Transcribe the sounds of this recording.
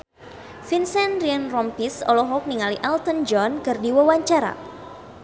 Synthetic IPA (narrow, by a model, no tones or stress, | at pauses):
finsɛnrianrɔmpisɔ̰lɔɦɔk̚niŋaliʔalt̪ənd͡ʒɔnkɨrdiwawaɲt͡ʃaɾa̰